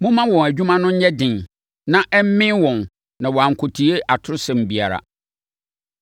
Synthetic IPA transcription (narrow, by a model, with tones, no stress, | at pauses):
mʊ̃˦mã˦wɔ̃˨æ˨d͡ʑᶣu˦mã˦nʊ̃˦ɲ̩˦ɲɛ˦dɪ̃˨n | nã˦ʔɛ˦m̩˦mɪ̃˦nwɔ̃˨n | nã˨wɔ˨a˨ŋ̩˨kʰʊ˨tʰi˨e˦ʔa˨tʰʊ˦ʊ˦sɛ̃˨m˨bi˨a˨ɾa̰˨